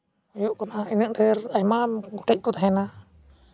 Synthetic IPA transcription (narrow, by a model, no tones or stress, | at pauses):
juʔkanainəʔɖɛɾajmaɡɔʈɛc̚t̪ud̪aɦɛna